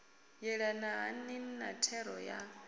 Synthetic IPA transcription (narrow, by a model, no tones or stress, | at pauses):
jɛɺanaɦa̰nɪn̩natʰɛɾɔja